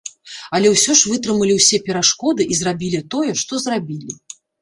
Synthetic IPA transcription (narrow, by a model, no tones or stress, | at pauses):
ɐlʲɛwsʲɔʐvɨt̪ɾɨmɐlʲiwsʲɛpʲɛɾaʂkɔd̪ɨʔizrabʲilʲit̪ɔjɛʂt̪ɔzrabʲilʲi